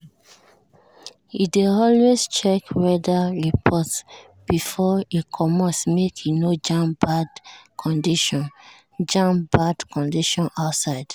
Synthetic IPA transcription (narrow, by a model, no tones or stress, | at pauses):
ideɔlwest͡ʃɛkwɛdaɹipʰɔts | b̥ifɔikʰɔmɔsmekʰinod͡ʒãmbadkʰɔ̃ndiʃɔ̃n | d͡ʒãmbadkʰɔ̃ndiʃɔ̃naʊtsaɪd̥